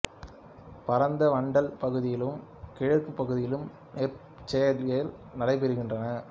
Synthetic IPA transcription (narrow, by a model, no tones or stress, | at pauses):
pɐɾɐnd̪ɐʋɐɳɖɐlpɐɣɯðɪjɪlɯmkɪɻɐɾkːɯpːɐɣɯðɪjɪlɯm | nɛːɾ | t͡ʃːɛjɐɾɣɐɪlnɐɽɐɪp̬ɛɾɯɣɪndrɐnɐ